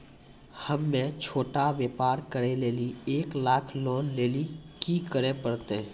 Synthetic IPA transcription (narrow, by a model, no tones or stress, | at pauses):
həmːẽt͡ʃʰoːʈaʋjeːpaːɾkəɾeleːlieːklaːkʰloːnleːlikikəɾepəɾt̪e